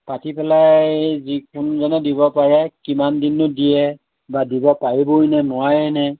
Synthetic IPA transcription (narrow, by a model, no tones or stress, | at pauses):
patipɛlajzikʊnzɔnɛdibɔpaɹɛkimandinːʊdijɛ | badibɔpaɹibonɛnʊajɛnɛ